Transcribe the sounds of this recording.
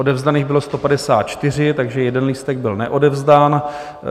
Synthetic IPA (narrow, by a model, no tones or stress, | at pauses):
ʔodɛvzd̪aniːɣbɪlo̞st̪o̞padɛsaːt̪̚t͡ʃt̪ɪr̝ɪt̪aɡʒɛjɛdɛnliːst̪ɛɡ̚bɪlnɛ̰ʔo̞dɛvzdaːn